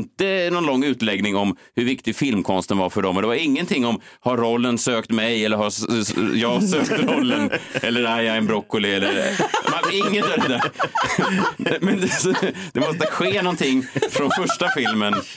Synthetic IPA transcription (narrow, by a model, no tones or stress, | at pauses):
nt̪ənɔnlɔŋːʉ̟ːt̪lɛɡnɪŋɔm | hɵɾvɪkt̪ɪfɪlmkʰɔnst̪ənvaɾfœɖɔmːɔnd̪ɛvaɾɪŋːənt̪ʰɪŋːɔm | haɾːɔlːənsøːkt̪mɛjɛlːəɾhaɾjɑːɡsøːkt̪ɾɔlːənɛlːəɾæjɑɡɛnbɾɔkːʊlɪɛlːəɾmaɪŋːənj̪ədɛd̪æɾ | mɛnd̪ɛd̪ɛmɔst̪əɧeːnɔnt̪ʰɪŋːfɾɔnfœʂʈafɪlmən